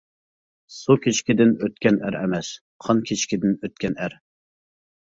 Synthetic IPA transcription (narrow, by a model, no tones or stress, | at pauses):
sukʲʰet͡ʃkʲid̪ɪnøt̪̚kʲɛnæ̰ɾɛ̰mɛs | qʰɑnkʲʰet͡ʃkʲid̪ɪnøt̪̚kʲɛnæɾ